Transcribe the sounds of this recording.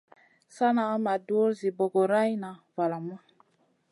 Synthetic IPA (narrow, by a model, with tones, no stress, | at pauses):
sa˦na˨˦ma˨duo˦ɾzi˨bo˨ɡo˨ɾa˦jna˨va˨la˨ma˦